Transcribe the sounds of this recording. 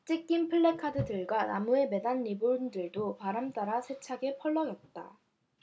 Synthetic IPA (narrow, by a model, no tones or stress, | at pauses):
t͡ɕ͈ik͈impʰɯɭːe̞kʰadɯdɯɭɡwana̰mue̞me̞danːibuɾundɯɭdopaɾamt͈aɾasʰe̞t͡ɕʰaɡe̞pʰʌɭːʌɡʌt̚t͈a̰